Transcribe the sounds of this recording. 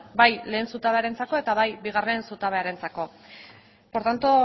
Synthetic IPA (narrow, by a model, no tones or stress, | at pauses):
bajle̞ːnsut̪aβe̞aɾe̞nt͡sako̞e̞t̪aβajbiɣ̞are̞nsut̪aβ̞e̞aɾe̞nt͡sako̞ | po̞ɾt̪ant̪o